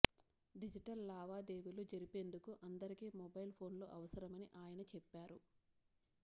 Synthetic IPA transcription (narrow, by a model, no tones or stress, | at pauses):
ɖid͡ʒiʈɐlːaːʋaːd̪eːʋilud͡ʒɐɾipe̞ːnd̪ukuʔɐnd̪ɐɾikiːmɔbɐjlpʰo̞ːnlo̞̰ːʔɐʋɐsɐɾɐmɐniʔaːjɐnɐt͡ʃɛpːaːɾu